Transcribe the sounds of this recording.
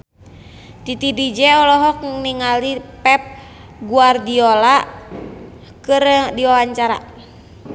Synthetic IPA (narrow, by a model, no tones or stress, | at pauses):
t̪it̪idid͡ʒɛɔlɔɦɔk̚niŋalipɛp̚ | ɡuardiola | kɨrdiwawaɲt͡ʃaɾa̰